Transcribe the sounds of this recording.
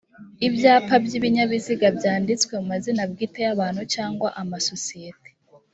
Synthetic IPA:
ibjaːpabjiβiɲaβiziɡabjaːndit͡swe̞umazinabɡiːte̞jaβaːnhut͡ʃaːŋɡwaʔamaso̞sijete̥

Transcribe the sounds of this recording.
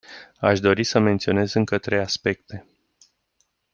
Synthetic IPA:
aʃd̪o̞ɾisəme̞nt̪sio̞ne̞zɨŋkət̪ɾe̞jaspe̞kt̪e̞

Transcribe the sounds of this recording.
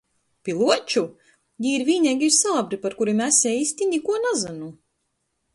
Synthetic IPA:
pʲilˠuɔt͡ʃu | jiːɾviːɲɛɡiɾsalˠabɾipaɾkuɾimæsʲɛisʲt̪ʲinʲikuɔnazanu

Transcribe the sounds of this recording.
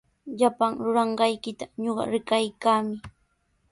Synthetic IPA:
ʎapaŋɾʊɾɑɴɢɑjkɪt̪aɲoɢɑ̰ɾɪkajkaːmɪ

